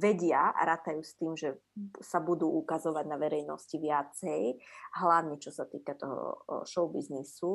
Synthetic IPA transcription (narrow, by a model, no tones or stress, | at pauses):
ʋɛɟɪaa̰ɾaːt̪ajuːst̪iːmʒɛsabud̪uːʔukazɔʋaɟnaʋɛɾɛjnɔ̰sciʋɪat͡sɛjɦlaʋɲit͡ʃɔsat̪iːkat̪ɔɦɔ̰ʃɔʊbiznisu